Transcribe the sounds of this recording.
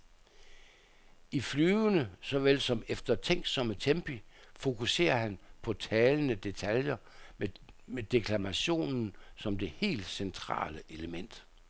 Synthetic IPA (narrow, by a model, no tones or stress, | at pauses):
iflyːʊnəsɒ̽ʋel̰sɒ̽mefd̥ɐt͡sʰeŋ̰ɡd̥sɒ̽mət͡sʰemb̥ifo̝kʰuse̝̰ːɐhænpʰɒ̽t͡sʰɛːlənəd̥e̝t͡sʰæljɐ | med̥e̝kʰlæmæɕo̝̰ːnn̩sɒ̽md̥e̝he̝̰ːld̥sent͡sʰʁɑ̰̈ːləʔe̝ləmen̰d̥